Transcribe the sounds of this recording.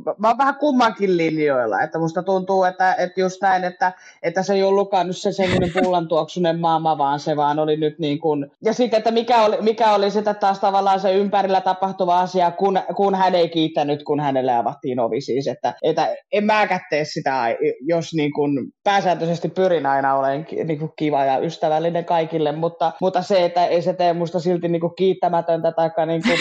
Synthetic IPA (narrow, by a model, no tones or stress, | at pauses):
ʋɑːʋʋæhækumːɑŋkillinjoilːɑ̰ḛt̪ːæmust̪ɑt̪unt̪uːet̪ːæet̪just̪næinet̪ːæ | et̪ːæseiolːukːɑːnnyssesemːonempulːɑnt̪uoksunemmɑmːɑʋɑːnseʋɑːnolinyt̪niːŋkunjɑsit̪ːet̪ːæmikæolimikæolisit̪ːet̪tɑːst̪ɑʋɑlːˑɑːnseympærilːæt̪ɑpɑht̪uʋɑɑsiɑkunkunhæneikiːt̪ːænːyt̪kunhænelːeɑʋɑt̪ːiːno̰ʋisiːset̪ːæeit̪æemmæːkæt̪ːeːssit̪æɑijosniːŋkunpæːsæːnt̪øsest̪ippyrinɑinɑoleŋkḭniːŋkukkiʋɑjɑʔyst̪æʋælːineŋkɑikilːemmut̪ːɑmut̪ːɑseet̪ːæeiset̪eːmust̪ɑsilt̪inniːŋkukkiːt̪ːæmæt̪ønt̪æt̪ɑikːɑniːŋku